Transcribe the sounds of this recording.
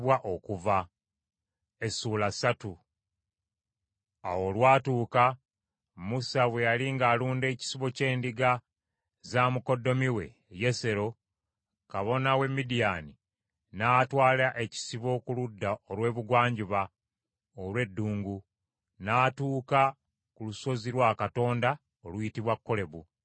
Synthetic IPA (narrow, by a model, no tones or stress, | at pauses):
βwaʔokuva | e̞suːlasatu | a̰wo̞lwaːtuːka | musaβwe̞jaliŋɡaːluːnde̞ːci̥siβo̞ce̞ːndiɡa | zamuko̞dːo̞miwe̞̰ | je̞se̞ɾo̞ | kaβo̞nawe̞mːidijaːni | naːtwaːlaʔe̞ci̥siβo̞kuludːaʔolwe̞ːβuɡwaːɲɟiβa | olwe̞dːuːŋɡu | naːtuːka | kuluso̞ziɾwakato̞ːnda | olujitiβwakːo̞le̞βu